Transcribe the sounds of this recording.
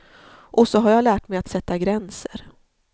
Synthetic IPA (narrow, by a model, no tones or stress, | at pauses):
ʔɔsɔɦaɾjalæːʈmɛjat̪sɛt̪ːaɡɾɛnsəɾ